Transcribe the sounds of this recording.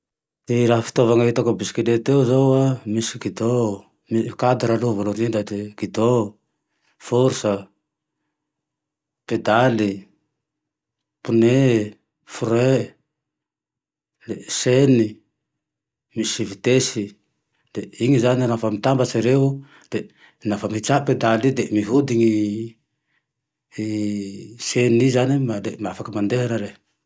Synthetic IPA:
tiɾafi̥t̪ɔvaŋait̪akobisi̥kidet̪euzaamisi̥kid̪o | mikad̪uɾaluvaloɾind̪at̪ekid̪o | fɔɾsa | ped̪ali | pune | fuɾe | leseni | misivit̪esi | d̪eiŋizaninafamit̪ambaseɾeu | d̪̥e | nafamihit͡ʃaʔped̪alid̪emiɦud̪iŋi | senizanimad̪emafakamand̪eɦeɾaɾe

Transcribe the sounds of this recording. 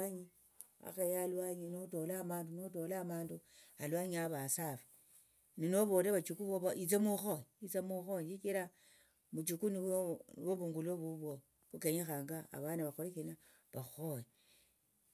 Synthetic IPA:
aɲi | a̰xejalwaɲinoto̞laːmaːndunoto̞laːmaːndu | alwaɲaβasafi̥ | ninoβoːɾeβat͡ʃukuβoβit͡semuxojiit͡semuxoɲd͡ʒit͡ʃiɾa | mut͡ʃukuninβoβuŋɡuloβuβo | kukeɲexaːŋɡa̰ːβanaβaxolekina | βaxoji

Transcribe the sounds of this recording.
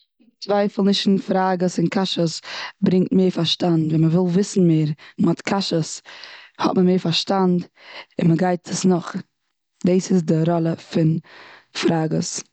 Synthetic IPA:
t͡svaɪfl̩ˠnɪʃn̩fɾaːɡəsɪnkʰaʃəsbɾɪŋk̚t̚meːɾfaɾʃtandviməvɪlˠvɪsn̩meːɾmɔtkʰaʃəshɔ̰tməmeːɾfaɾʃtand | ɪnməɡaɪtʰəsnʊχ | deːsɪsdɪɾɔlˠəfɪnfɾaːɡə̰s

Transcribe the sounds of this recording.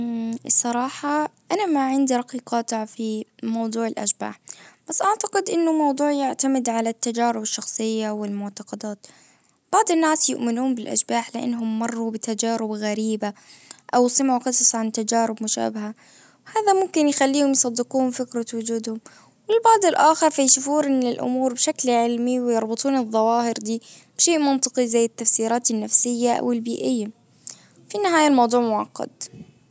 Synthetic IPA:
sˤɑɾˤɑːħɑʔanamaʕɪnd̪iɾˤɑqiːqɑːt̪aʕfimɑwd̪ˤuːʕɪlʔa̰ʃba̰ːħb̥asːʔaʕt̪ɑqɪd̪ʔɪnːʊmɑwd̪ˤuːʕjɪʕt̪amɪd̪ʕalat̪ːad͡ʒaːɾɪbɪʃːɑxsˤɨjːawɪlmʊʕt̪ɑqɑd̪aːt̪ | b̥ɑʕd̪ˤɪnːaːsjʊʔmɪnuːmbɪlʔa̰ʃbaːħlɪʔa̰nːɦʊmːɑrˤːubɪt̪ad͡ʒaːɾɪbɣaɾiːbaʔawsɨmʕuqɨsˤsˤʕant̪ad͡ʒaːɾɪbmʊʃa̰ːbɪɦa | whaːðamʊmkɪnjxalːiːhʊmjsˤɑd̪ːɪquːhʊmfɪkɾawʊd͡ʒuːd̪hʊm | wɪɪlbɑʕd̪ˤɪlʔaːxɪɾˤfajʃufuːnɪnːɪlʔʊ̰muːɾbɪʃaklʕɪlmiwɪjɪɾˤbɨt̪ˤuːnɨðˤːɑwɑːhɪɾd̪iː | b̥ʃeːʔmɑnt̪ˤɨqizajːɪt̪ːafsiːɾaːt̪anːafsɪjːaʔa̰wɪlbiːʔɪjːa | finɪɦaːjalmɑwd̪ˤuːʕmʊʕɑqːɑ̰d̪

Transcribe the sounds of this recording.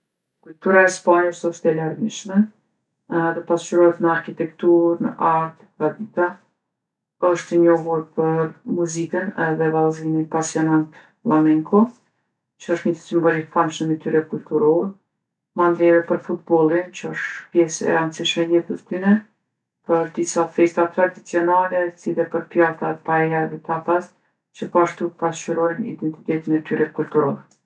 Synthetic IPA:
kult̪uɾaɛspaɲəʃt̪ɔʃt̪ɛlaɾviʃmɛ | d̪ɔpast͡ʃyɾɔhɛt̪nəaɾkit̪ɛkt̪uɾnə̰ʔaɾt̪ | ɡad̪it̪a | əʃt̪əɲɔɦuɾpəɾmuzikənɛðɛvalzimipasjɔnant̪ | lamɛŋkʰɔ | t͡ʃəɔʃt̪ɲəsimbɔlikfamʃəmɛt̪yɾɛkult̪uɾɔɾ | mand̪ɾɛɾɛpəɾfut̪̚bɔlˠint͡ʃəɔʃt̪pjɛsɛ̰ansiʃmɛjɛt̪əðt̪ynɛ | pəɾd̪isafɛst̪at̪ɾad̪it͡siɔnalɛsilɛpəɾpjat̪apaɛjaɛðɛt̪apas | t͡ʃəpɔaʃt̪upast͡ʃuɾɔjnḭd̪ɛnt̪i̥t̪ɛt̪inɛt̪yɾɛkult̪uɾɔɾɛ

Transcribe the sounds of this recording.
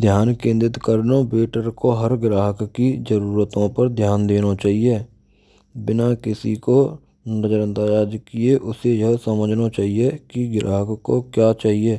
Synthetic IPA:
d̪ʱjaːnkẽːnd̪ɪt̪kəɾnobeːʈəɾkoɦəɾɡɾaːɦəkkizəɾuːɾət̪õpəɾd̪ʱjaːnd̪eːnot͡ʃaːɦieː | bɪnakɪsḭko | nəd͡ʒəɾə̃nt̪ajaːd͡ʒkieʔʊsejəɦsəməd͡ʒʱnot͡ʃaːɦiekiɡɾa̰ːɦəkkːo̰kjaːt͡ʃaːɦieː

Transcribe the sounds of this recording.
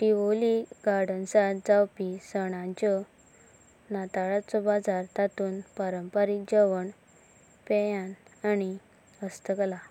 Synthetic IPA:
ʈiʋoliɡaɾɽənsad͡zawpisəɽ̃ãt͡ɕɔ | nat̪aɭat͡sɔbad͡zaɾt̪at̪uːnpəɾəmpəɾikd͡ʑəʋəɳ | pɛjãnani | əst̪əkla

